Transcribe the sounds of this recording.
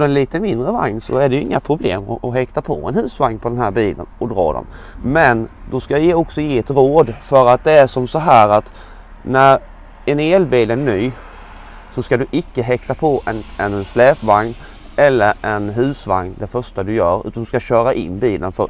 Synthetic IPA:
ɔd̪ɛnliːt̪əmɪnd̪ɾəva̰ŋnsɔ̰æɖɛjɵɪ̰ŋːapʰɾʊblḛːmɔ̰ɔɦɛkt̪apʰɔ̰ɛ̰nhʉ̟ːsvaŋnpʰɔd̪ɛnɦæːɾbiːlə̰nɔd̪ɾɑ̰ːd̪ɛ̰n | mɛnd̪ɔskaɪjeːɔksɔjeːɛt̪ɾoːd̪fœɾat̪̚d̪ɛæʂɔmsɔɦæːɾat̪ | næɾ | ɛneːlbiːlænyː | sɔskad̪ɵʔɪkːəɦɛkt̪apʰɔʔɛnɛnɛnslɛːpvaŋn | ɛlːəɾɛnɦʉ̟ːsva̰ŋnd̪ɛfœʂʈad̪ɵjœːɾʉ̰ːt̪and̪ɵskaɕœːɾaʔɪ̰nːbiːlʔə̰nfœ

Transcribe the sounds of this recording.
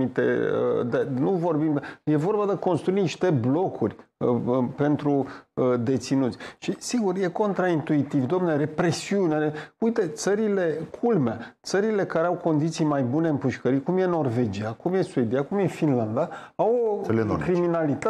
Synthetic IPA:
it̪ḛə̰d̪enuvo̞rbimd̪aje̞vo̞rbad̪eko̞nst̪ɾuiniʃt̪e̞blo̞kʰurʲ | pe̞nt̪ɾuəd̪e̞t̪sinut̪sʲʃisiɡurje̞ko̞nt̪ɾaint̪uit̪ivd̪oamneɾe̞pɾe̞siuneɾeujt̪e̞t̪səɾile̞kʰulmat̪səɾile̞kaɾeawko̞nd̪it̪sijmajbune̞ɨmpuʃkəɾikumje̞no̞rve̞d͡ʒiakumje̞sued̪ijakumje̞finland̪aawokɾiminalit̪a

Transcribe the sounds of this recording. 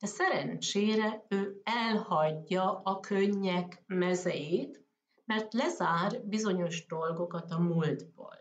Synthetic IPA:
ɛsɛɾɛnt͡ʃeːɾɛøːɛlhɒɟːɒʔɒkʰøɲːɛkmɛzɛjeːt̪ | mɛrt̪lɛzaːrbizo̞ɲo̞ʒd̪o̞lɡo̞kɒt̪ɒmuld̪bo̰ːl

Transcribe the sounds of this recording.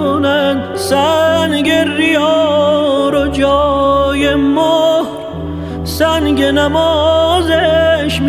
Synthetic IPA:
onænd̪sænɡeɾijɒː | ɾod͡ʒɔːjemohɾ | sænɡenæmɔːzeʃm

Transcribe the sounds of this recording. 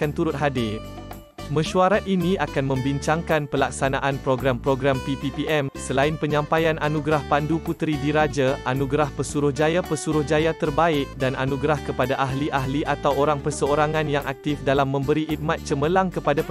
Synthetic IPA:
ant̪uɾʊt̪̚ɦadɪ | mə̃ʃuaɾat̪̚inĩakanmə̃mbiɲt͡ʃaŋkanpəlak̚sanaʔanpɾoɡɾampɾoɡɾampipipiɛmsəlaɪnpəɲãmpajanʔanũɡɾahpanduput̪ɾidiɾad͡ʒaanuɡɾahpəsuɾʊhd͡ʒajapəsuɾʊhd͡ʒajat̪ərbaɪk̚dana̰nũɡɾahkəpadaʔaɦliʔaɦliʔat̪awoɾaŋpərsəoɾaŋãnjaŋʔak̚t̪ɪfdalamːə̃mbəɾiʔit̪̚mat̪̚t͡ʃəməlaŋkəpada

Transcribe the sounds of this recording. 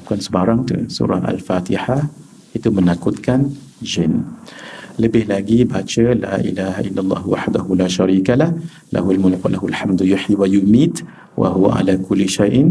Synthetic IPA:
kansbɑɾˤɑŋt̪ʊ̰sṵːɾˤɑ̰ʔa̰lfaːt̪ɪħa | ʔɪt̪umɪnakʊd̪kan | d͡ʒɪn | lɪbɪhlaɡibaːt͡ʃəla̰ːʔɪ̰laːha̰ʔɪlːalˤːɑ̰ːhwa̰ħd̪ahʊlaːʃaɾiːkalah | la̰halmʊlkwa̰lʔahʊalħamd̪jʊħiwajʊmiːt̪ | wa̰ɦʊwa̰ʕa̰lakʊlːʃajʔ

